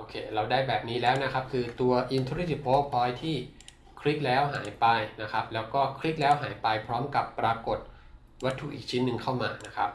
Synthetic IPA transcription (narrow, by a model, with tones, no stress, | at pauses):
ʔoː˧kʰeː˧ɾa˧wdaː˥˩jbɛː˨˩p̚niː˦˥lɛː˦˥wna˦˥kʰa˦˥p̚kʰɯː˧t̪u˧ɐʔiː˧nt̪ʰuː˦ɾi˥i˨˩t̪̚pʰoː˦˥pʰɔː˧jt̪ʰiː˥˩ | kʰɾi˦˥p̚lɛː˦˥wɦaː˩˦jpa˧jna˦˥kʰa˦˥p̚lɛː˦˥wkɔː˥˩kʰɾi˦˥p̚lɛː˦˥wɦaː˩˦jpa˧jpʰɾɔː˦˥mka˨˩pːɾaː˧ko˨˩t̪̚ | wa˦˥t̪ʰːṵ˨˩ʔiː˨˩k̚t͡ɕʰi˦˥nːɯ˧ŋkʰa˥˩wmaː˧na˦˥kʰa˦˥p̚